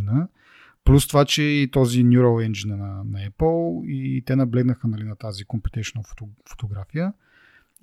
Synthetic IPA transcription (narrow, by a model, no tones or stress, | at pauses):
nə | plʲust̪ovat͡ʃɛit̪ɔzinʲjuɾolɛnd͡ʒinɛnɐnɐɛpəlˠit̪ɛnɐblɛɡnəxənɐlinɐt̪azikompɛt̪ɛʃonəffo̥t̪oɡɾafijə